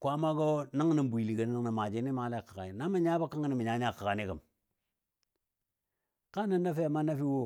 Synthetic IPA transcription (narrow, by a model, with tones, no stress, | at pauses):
kʷa˦ma˦ɡo˦na˦ŋ˦na˨m˦bu˨i˨li˨ɡə˨n˦i˦ŋna˨ma˨d͡ʒi˦ni˦ma˨˦la˦˨kḁ˨ɡa˨ni˨na˦ma˦ɲa˦ba˦ka˦ŋə˦ni˨mi˨ɲa˨˦ɲa˦˨ka˨a˨ni˦ɡə˨m | ka˦na˦na˦fe˦˨ma˦na˦fi˦wo˦